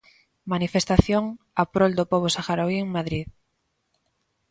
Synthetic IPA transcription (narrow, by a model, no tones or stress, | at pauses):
manifest̪aθjoŋ | apɾold̪opoβ̞osaxaɾoieŋmaðɾið